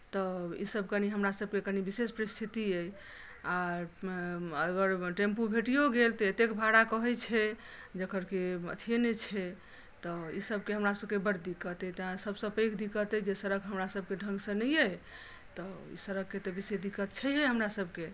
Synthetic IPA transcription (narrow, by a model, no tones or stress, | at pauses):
t̪ɔḭsəbkəniɦəmɾasəb̚kekənibisespəɾist̪ʰit̪iə | a | əɡəɾʈempubʱeʈijoɡelt̪ɔet̪ekbʱaɽakəɦɛjt͡ʃʰɛ | d͡ʒəkʰəɾkeə̰t̪ʰijenɛt͡ʃʰɛ | t̪ɔḭsəbkeɦəmɾasəbkebəɾd̪ikət̪ɛt̪ãsəbsə̃pəjkd̪ikət̪ɛd͡ʒesəɾəɡɦəmɾasəb̚keɖʱə̃ŋɡsə̃nəjə | t̪ɔḭsəɾəkːet̪ɔbised̪ikːət̪t͡ʃʰɛjɦəɦəmɾasəbke